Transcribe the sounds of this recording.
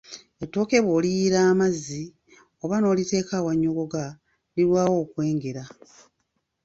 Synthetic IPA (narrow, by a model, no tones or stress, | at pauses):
e̞tːo̞ːke̞βwoːlijiɾaːmazi | o̞βano̞ːlite̞ːkawaɲːoɡo̞ɡa | liɾwaːwo̞ːkwe̞ːŋɡe̞ɾa